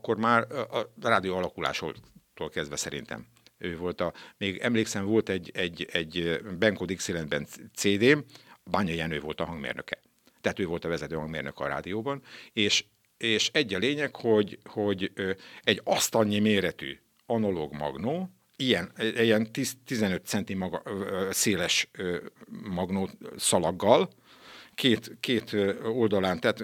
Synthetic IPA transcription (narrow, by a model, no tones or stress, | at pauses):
kːo̞rmaːrɒraːd̪ijoːɒlɒkula̰ːʃo̰t̪oːlkɛzd̪vɛsɛɾḭnt̪ɛ̰m | øːvo̞lt̪ɒmeːɡɛmleːksɛɱvo̞lt̪ɛɟːɛɟɛɟbɛŋkod̪ikselɛnbɛnseːd̪eːmbaːɲɒjɛnøːvo̞lt̪ɒɦɒŋɡmḛːrnø̰kɛ | t̪ɛɦaːt̪øːvo̞lt̪ɒvɛzɛt̪øːhɒŋɡmeːrnøkɛɒ̰ɾa̰ːd̪ijoːbɒneːʃ | eːʃɛɟːɒleːɲɛkho̞ɟho̞ɟɛɟɒst̪ɒɲːimeːɾɛt̪y̰ | ɒnɒloːɡmɒ̰ɡnoː | ijɛnjɛnt̪it̪izɛnø̞t̪sɛnt̪imɒɡseːlɛʃ | mɒɡnoːsɒlɒɡːɒl | kʰeːt̪keːt̪old̪ɒlaːnt̪ɛːt̪